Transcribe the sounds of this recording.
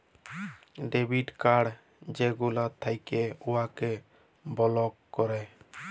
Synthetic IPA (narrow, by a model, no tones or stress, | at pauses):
ɖebiʈkaɽ | d͡ʒeɡulat̪ʰːajkeuwakɛ | bɔlɔkːɔɾɛ